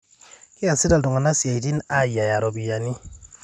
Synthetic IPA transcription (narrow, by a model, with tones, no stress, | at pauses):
ki˦a˨si˦da˨ldɔ˨ŋa˨na˦si˨a˨i˨ti˦na˦ja˨ja˨ɾɔ˨bi˨ja˨ni˦